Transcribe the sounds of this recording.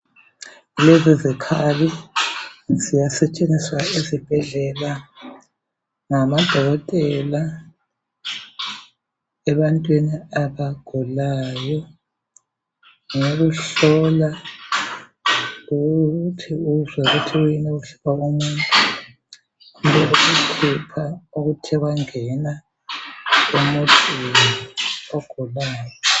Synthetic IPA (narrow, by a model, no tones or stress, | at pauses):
lezizikʰali | z̥ijasɛt͡ʃʼeniswaizib̥ʱɛɮɛla | ŋamad̥ʱɔɣɔtʼɛla | ɛβantʼwiniaβaɡ̥ʱulaːjɔ | ŋoɣ̬uɬɔla | uɣtʰiuzaɣutʰiujinɛuɬi̥kaumuntʼu | umbɛʔuɣukʰupʰauɣutʰɛɣwaŋɛna | umotʰʼiwiɔɡ̥ʱulaːjɔ